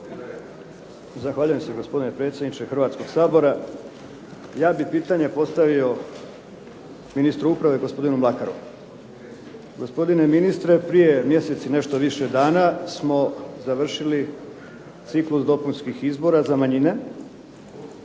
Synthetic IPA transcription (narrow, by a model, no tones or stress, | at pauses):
zaxʋaːʎuje̞mseɡo̞spo̞d̪inepɾe̞t̪sʲjed̪nit͡ʃexr̩ʋaːt̪sko̞ɡ̥saːbo̞ɾa | jaːbipiːt̪aɲe̞po̞st̪aʋio̞ | minist̪ɾuupɾaʋe̞ɡo̞spo̞d̪inumlˠakaɾṵ | ɡo̞spo̞d̪ine̞minist̪ɾe̞pɾije̞mje̞se̞t̪sine̞ʃt̪o̞ʋiʃe̞d̪aːnasmo̞zaʋr̩ʃili | t̪siklusd̪o̞punskixizbo̞ɾazamaɲine̞